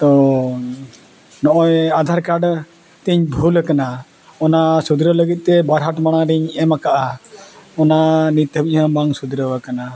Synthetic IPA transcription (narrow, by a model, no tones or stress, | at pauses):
t̪ɔ | nɔʔɔjad̪ʱaɾkaɖ | t̪iɲbʱuləkana | ɔnasud̪iɾələɡit̪̚ˀt̪ɛbaɾɦaʈmaɽ̃aɾiɲɛmakaʔa | ɔnanit̪əbiɲɦãbaŋsud̪ɾəwakana